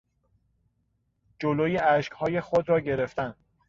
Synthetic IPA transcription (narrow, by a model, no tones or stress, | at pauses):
d͡ʒoloːjeæʃchɒːje̞xod̪ɾɒːɟe̞ɾe̞ft̪æn